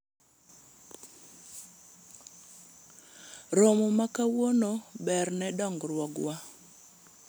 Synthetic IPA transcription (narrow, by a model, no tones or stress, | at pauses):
ɾomomakawonobɛrnɛdɔŋɡrwɔɡwa